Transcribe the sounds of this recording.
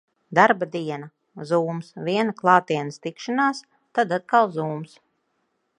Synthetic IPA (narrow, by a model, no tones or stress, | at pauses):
d̪aɾbad̪iɛna | zuːmsvʲiɛnaklˠɑːt̪iɛnəst̪ikʃanaːs | t̪ad̪at̪̚kalˠzuːms